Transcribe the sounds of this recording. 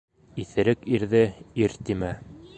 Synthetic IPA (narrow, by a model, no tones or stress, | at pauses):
iθɘ̆ɾɘkiɾðɘiɾt̪imæ